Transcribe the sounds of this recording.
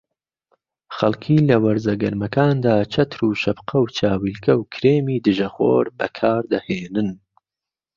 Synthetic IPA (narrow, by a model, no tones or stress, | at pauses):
xɐlˠkʰiːlɐwɐɾzɐɡɐɾmɐkaːnd̪aːt͡ʃʰɐt̪ʰɾuːʃɐbqʰɐwt͡ʃʰaːwilkʰɐwkʰɾeːmiːd̪ɨʒɐxo̰ːɾbɐ̰kʰaːɾd̪ɐheːnɨn